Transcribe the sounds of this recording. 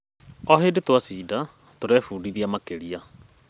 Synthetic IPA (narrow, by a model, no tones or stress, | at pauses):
ɔɦedetwasiːda | toɾɛfuːdiðiamakeɾia